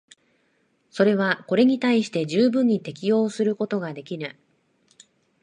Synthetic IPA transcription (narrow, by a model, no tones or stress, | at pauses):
so̞ɾe̞β̞ako̞ɾe̞ɲ̟it̪aiɕi̥t̪e̞ʑɨːbɯ̟̃ɲ̟ːit̪e̞kʲijo̞ːsɨɾɯ̟ko̞t̪o̞ɡad̪e̞kʲiɾɯ̟